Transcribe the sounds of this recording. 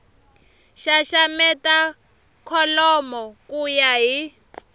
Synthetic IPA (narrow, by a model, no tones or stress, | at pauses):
ʃaʃamɛta | kʰɔlɔmɔkujaɦi